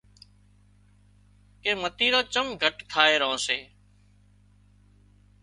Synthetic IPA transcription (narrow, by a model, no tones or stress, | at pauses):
keːmət̪iːɾoːt͡ʃəmɡʱəʈt̪ʰaːeːɾəɦõːseː